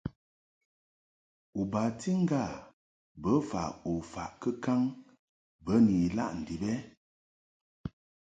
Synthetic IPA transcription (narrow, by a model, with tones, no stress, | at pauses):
u˨ba˨ti˦ŋ̩˦ɡa˦˨ | bə˨˦fa̰˨o˨fa̰˨ʔkə˦ka˦ŋ | bə˦ni˨la̰˦ʔn̩˨di˨bɛ˦